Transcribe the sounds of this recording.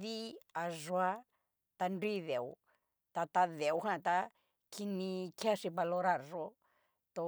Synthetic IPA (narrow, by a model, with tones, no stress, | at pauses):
ði˦a˨ʐwa˧ | t̪a˧ndwi˦ðe˨w | t̪a˧t̪a˧ðe˨wɦã˧˨t̪a˧ | kʰi˧nĩ˧kja˦˧ʂi˧βa˧lo˧ɾa˧˨ɾʐo˧ | t̪o˧